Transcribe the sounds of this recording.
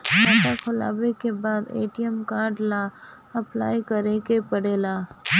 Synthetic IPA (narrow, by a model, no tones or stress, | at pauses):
naːʈakʰʊla̰ːbekebaːd̪ḛːʈiɛmkaːɾɖla | ɐpla̰ːikɐɾekepɐɽeːlaː